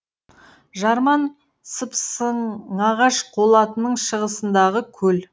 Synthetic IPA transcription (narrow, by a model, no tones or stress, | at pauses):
ʒɑɾmɑn | səpsəɑʁɑʃqʰo̞lˠɑt̪ənəɴʃəʁəsənd̪ɑʁəkʲʰɵl